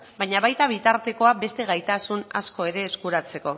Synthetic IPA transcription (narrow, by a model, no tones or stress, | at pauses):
bajɲaβajt̪aβ̞it̪aɾt̪e̞ko̞abe̞st̪e̞ɣajt̪asuna̰sko̞e̞ɾe̞ːskuɾat͡se̞ko̞